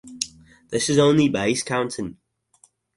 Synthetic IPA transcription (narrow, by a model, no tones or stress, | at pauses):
ðɪsɪzõʊ̃nlibeɪskʰãʊ̃ntʰɪ̃n